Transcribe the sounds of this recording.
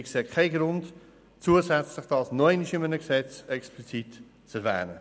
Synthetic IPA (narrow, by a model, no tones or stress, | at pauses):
ɪkseːkʰaɪɡɾʊnt | t͡suəsɛt͡sləχd̥ɑːsnɔɛɪniʃɪmənəksɛt͡sɛksplit͡sit | t͡sɛɾvæ̰ːɾə